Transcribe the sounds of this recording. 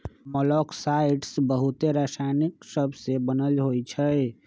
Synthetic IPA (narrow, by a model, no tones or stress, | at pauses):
mɔlɔksaɪʈsbəɦut̪eɾasaniksəbʱsebənəlɦojt͡ʃʰə